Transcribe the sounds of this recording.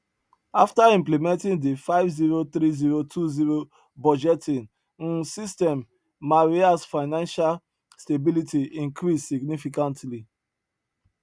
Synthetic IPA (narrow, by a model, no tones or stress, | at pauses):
aftaĩmplɛmɛ̃ntĩŋdefaɪvziɹot̪ɾiziɹotʰuziɹo | bɔd͡ʒɛtĩn | n̩sistɛ̃mː | aɹiasfaɪnãnʃal | stebilitiĩŋkɾisːiɡnifikãntli